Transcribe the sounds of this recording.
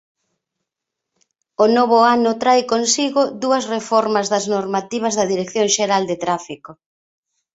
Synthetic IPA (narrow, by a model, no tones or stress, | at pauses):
onoβ̞ʊanʊt̪ɾajkonsiɣʊðuɐsrefɔɾmɐzðɐznoɾmat̪iβ̞ɐzðɐðiɾekθjoŋʃeɾald̪et̪ɾafiko